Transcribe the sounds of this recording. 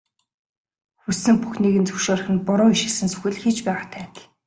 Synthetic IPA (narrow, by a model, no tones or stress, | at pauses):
xusɘ̆mpuxniːɣɘ̆nt͡sɵʃoːr̆xɘ̆npɔɾʊːiʃɪ̆sɘ̆nsɵ̥xʲɘ̆ɮxit͡ɕpæːʁat̪ʰæːt̪